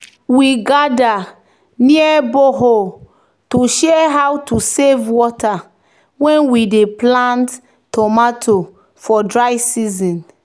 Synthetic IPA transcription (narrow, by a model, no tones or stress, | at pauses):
wiɡada | niɛboɦo | tuʃɛɛɦawtusevwɔtʰa | wɛ̃nwideplãnt | tɔmatʰo | fɔdɹajsizĩn